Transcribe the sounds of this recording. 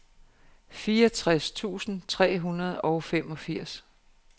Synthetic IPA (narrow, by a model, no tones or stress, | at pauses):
fiːɐɒt͡sʰʁast͡sʰṵːsn̩t͡sʰʁɛ̰ːɦunɐð̞̩ˠɒʊfemɒ̽fiɐ̰s